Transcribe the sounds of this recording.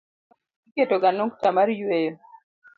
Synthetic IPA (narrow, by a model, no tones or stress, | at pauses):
iketoɡanoŋktamaɾjwejo